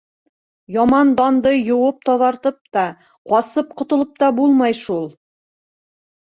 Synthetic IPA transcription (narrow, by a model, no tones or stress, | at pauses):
jɑmɑnd̪ɑnd̪ɤjŏwɤp̚t̪ɒðɑɾt̪ɤp̚t̪ɑ | qɑsɤp̚qŏt̪ŏlˠɤp̚t̪ɑbulˠmɑjʃulˠ